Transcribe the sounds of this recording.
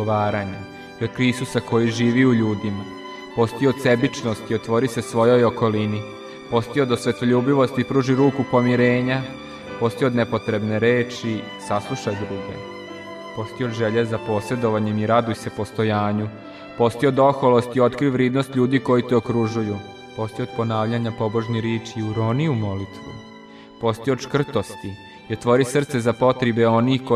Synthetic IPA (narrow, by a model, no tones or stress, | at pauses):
aːɾaɲa | iod̪kɾisusako̞jiʒiːʋiuʎuːd̪ima | po̞st̪iod̪se̞bit͡ʂnost̪iot̪ʋo̞ɾisesʋo̞jo̞joko̞lini | po̞st̪iod̪osʋe̞t̪oʎuːbiʋo̞st̪ipɾuːʒiɾuːkupo̞miɾeːɲa | po̞st̪iod̪nepo̞t̪ɾe̞bne̞ɾeːt͡ʃi | saslˠuʃajd̪ɾuɡe̞̰ | po̞st̪iod̪ʒeʎezapo̞ːse̞d̪o̞ʋaɲemiɾad̪ujse̞po̞st̪o̞jaːɲu | po̞st̪iod̪o̞xolost̪io̞t̪kɾiuʋɾeːd̪no̞st̪ʎʲuːd̪iko̞jit̪eokɾuʒuju | po̞st̪iod̪̚po̞naːʋʎaɲapo̞boʒɲeɾjeːt͡ʃiuɾo̞niumo̞lit̪ʋṵ | po̞st̪iod̪ʃkr̩t̪o̞st̪i | jeɾt̪ʋo̞ɾisr̩t̪se̞zapo̞t̪ɾebeo̞nixko